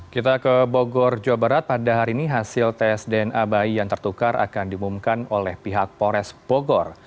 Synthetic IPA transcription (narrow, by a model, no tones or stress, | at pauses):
kit̪akəboɡɔrd͡ʒoabaɾat̪̚padaɦaɾiːniɦasɪlt̪ɛsdɛnabaijaŋt̪ərt̪ukarʔa̰kandimumkanolɛhpiɦak̚poɾɛsb̥oɡɔr